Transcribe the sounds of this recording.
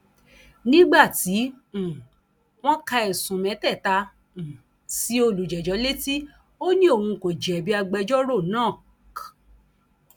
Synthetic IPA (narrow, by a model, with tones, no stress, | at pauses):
nĩ˦ɡ͡ba˦˨tĩ˨˦˨ | w̃ɔ̃˦ka˧ɛ˨sũ˨mɛ̃˨˦tɛ˦˨tã˧˨ | si˨˦o˧lu˨d͡ʒɛ˨d͡ʒɔ˨˦le˦ti˦ | o˦nĩ˦o˦˨hũ˧ko˨d͡ʒɛ˨bi˦a˧ɡ͡bɛ˧d͡ʒɔ˦ɾo˦˨nãː˦˨